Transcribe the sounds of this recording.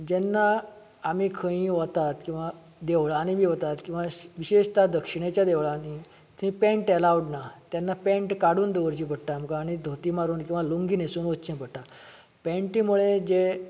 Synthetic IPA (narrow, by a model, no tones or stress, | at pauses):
d͡ʑɛnːaː | mikʰə̃ĩʋət̪at̪kĩw̃ʋa | d̪eʋɭaːnibʱiːʋət̪at̪kĩw̃ʋaʋiɕeʂt̪ad̪əkʂiɳ̃et͡ɕjad̪eʋɭaːni | t̪ʰĩpɛ̃ɳʈɛlaʋɽnat̪jɛnːapɛ̃ɳʈkaɽuːnd̪eʋəɾt͡ɕĩːpəɽʈ̪aːmkaːɽ̃id̪ʱot̪iːmaɾuːnkĩw̃ʋaluŋɡiːnesuːnʋət̪t͡ɕĩpəɽʈːa | pɛ̃ɳʈiːmuɭed͡ʑe